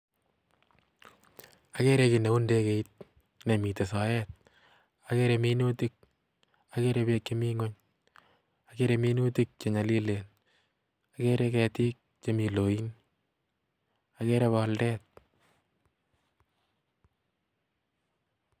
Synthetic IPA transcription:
a˨ke˦ɾe˧ki˨ne˨u˦nde˦ke˨it̪̚ | ne˨mi˨te˨sa˨jɛt̚ | a˨ke˦ɾeminu˦tik̚ | ake˦ɾe˧be˧k̚t͡ʃe˦miŋo˦ɲ | a˨keɾe˧mi˦nu˦ti˦k̚t͡ʃe˨ɲa˨li˦len | a˨ke˦ɾe˦kɛ˨ti˦k̚ | t͡ʃe˦mi˨lo˨in | a˨ke˦ɾeβaldɛːt̪̚

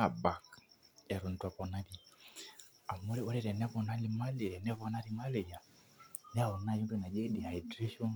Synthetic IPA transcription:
a˨ba˨kɛ˨ɾu˨n̩˨ta˨pɔ˨na˦bi˦ | a˨mo˦ɾɛ˦ɔ˦ɾɛ˦˨ɾɛ˨nɛ˦βɔ˨na˦li˨ma˦lɛ˨ɾɛ˨nɛ˦βɔ˨na˦ɾi˨ma˦lɛ˨ja˨ | nɛ˦a˦˨ɔ˨na˦˨ju˦ndu˦˨na˨d͡ʒɛ˦di˨a˨i˨dɾi˦ʃɔ˦

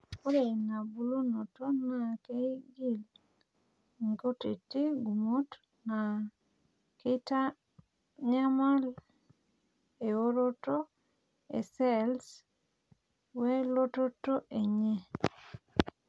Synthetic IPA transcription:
o˦ɾe˨na˨bu˨˦lo˦no˨to˦na˨ke˦ɡi˦˨l | ŋ˨ko˦ti˨ti˦ɡu˨mo˦t | na˨ | kɪ˦ta˦ | ɲa˦ma˦l | e˨o˦ɾo˦to˦ | ḛ˨sɛ˦ls | wɛ˦lo˦to˦to˦ʔe˨ɲe˦

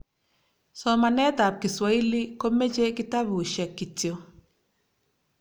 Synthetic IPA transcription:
sɔ˨ma˨nɛ˦ta˨p̚kɪ˨swa˦i˦li˦ko˦me˦t͡ʃe˦kɪ˦ta˦bu˨ʃɛ˨kːi˨tjo˨

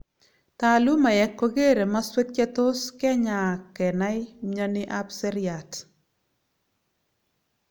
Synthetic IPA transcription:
ta˨lu˦ma˨jɛ˨kːo˦ɡe˦ɾe˨ma˦swe˦t̚kɛ˦to˦skɛ˦ɲa˨kɛ˨na˦ɪ˦mɲa˦nɪ˦ʔa˦pse˦ɾja˨t

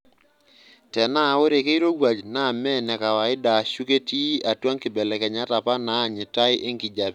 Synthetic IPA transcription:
tɛ˨na˦˨o˦ɾe˨ke˦i˦ɾo˦ɡwa˨d͡ʒna˦˨mɛ˦nɛ˨ka˨wa˨ɪ˦da˨ʃu˦ke˦ti˦a˨twa˦ŋkɪ˨bɛ˨lɛ˨kɛ˨ɲa˦ta˨pa˦na˦˨ɲɪ˨ta˦ɪ˦ʔe˦ŋkɪ˨d͡ʒa˨p

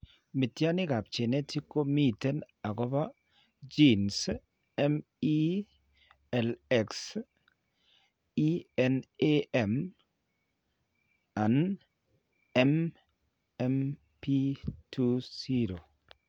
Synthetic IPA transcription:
mi˨tja˦nɪ˦ɡa˨p̚t͡ʃe˨ne˦ti˦ko˦mi˦tɛ˦n | a˨ɡɔ˦ba˦ | d͡ʒi˦ns | ɛ˦m | i˦ | ɛ˨lɛ˨ks | i˦ɛ˨neɛ˨m | a˨n | ɛ˦m | ɛ˦m | pi˦tʰu˦si˦ɾo˨

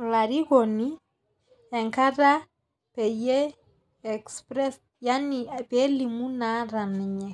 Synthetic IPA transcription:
la˨ɾi˦ɣɔ˨ni˦ | ɛ˨ŋka˦ɾa˦ | pɛ˨jɛː˦˨ | kspɾɛ˦s | ja˦ni˨pɛ˦li˨mu˦na˦ɾa˨nɛ˨ɲɛ˨

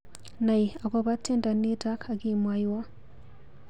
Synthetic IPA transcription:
na˨ji˨a˨ko˦βa˦tʰe˦˨nda˨ni˦ta˦kʰa˨ki˦˨mwa˦jwa˦

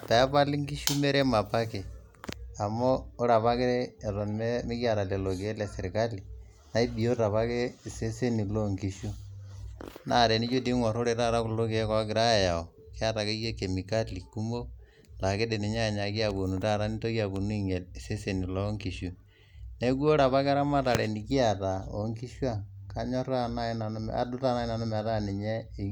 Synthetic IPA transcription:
ta˨a˦pa˦lɪ˦ŋki˦ʃu˦me˦ɾe˦ma˨pa˦ke˨ | a˨moː˦ɾa˨pa˦kɪ˦ɾeː˦˨ɾɔ˨nmɛ˦mɪ˦ka˨ɾa˨le˨lo˨ke˨e˦lɛ˨sɪ˨ɾɪ˨ka˦li˨ | na˦i˦bi˨jo˦ta˨βa˦ke˦˨se˦se˦ni˨lo˦ŋki˨ʃu˦ | na˦˨ɾe˨ni˦t͡ʃo˦di˦ŋwa˨ɾo˦ɾe˨ta˦˨ɾa˦kʊ˨lo˦ke˨˦kwa˦ɡɪ˨ɾa˦ja˨ja˨ɔ˨ | ke˦a˦ta˨ke˦je˦ke˨mi˨ka˦li˨ku˦mo˦ | la˨ke˦de˨ni˨ɲa˦˨ɲa˨ki˦a˨bo˨nu˨ta˦˨ɾa˦ni˦to˦ki˦a˨ku˨nu˦i˦˨ŋe˨lse˦se˨ni˨lɔ˦ŋki˨ʃu˨ | ne˦kwo˦ɾa˨βa˦ka˦ɾa˦ma˦ta˨le˨ni˨ki˦a˨ta˨o̰˨ŋki˦ʃwa˦˨ka˨ɲɔ˦ɾa˦na˦i˦na˨n˦m̰a̰˨dʊ˦ta˦na˦i˦na˨nʊ˦m˨a˨ta˦˨ni˨ɲɛ˦˨

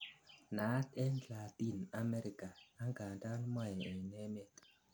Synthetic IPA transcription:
na˨˦tɛ˦nla˨ti˦˨na˨˦mɛ˦ɾi˨kaː˨˦ŋɡa˨nta˦n˦ma˦jɛ˨ɛ˨nɛ˦me˨t

